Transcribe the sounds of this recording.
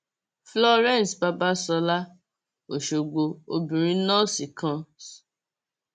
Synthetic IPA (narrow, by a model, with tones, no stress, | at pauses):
flɔ˦ɾɛ̃˦˨sba˧ba˦sɔ˧la˦ | o˨ʃo˨ɡ͡bo˧o˧bĩ˨ɾĩ˦nɔ̃˦si˨kã˧s